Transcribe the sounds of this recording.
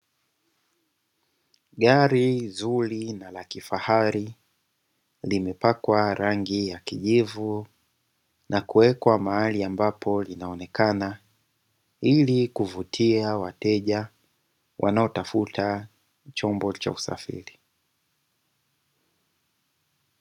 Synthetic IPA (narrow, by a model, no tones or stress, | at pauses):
ɠaɾizulinalakifahaɾi | limɛpakwaɾaŋɡijakiʄivu | nʔakuwɛkwamaaliambapʰɔlinaɔnɛkana | ilikuvutʰiawatɛʄa | wʔa̰naɔtafutʰa | t͡ʃɔmbɔt͡ʃa̰usa̰fḭɾi